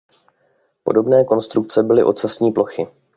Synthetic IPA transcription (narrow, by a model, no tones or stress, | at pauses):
po̞do̞bnɛːko̞nst̪ɾuk̚t͡sɛbɪlɪ̰ʔo̞t͡sasɲiːplo̞xɪ